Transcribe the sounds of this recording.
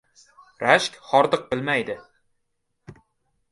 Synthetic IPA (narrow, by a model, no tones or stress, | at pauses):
ɾaʃkʲχɒɾd̪ɨq̚bɪlmajd̪ɪ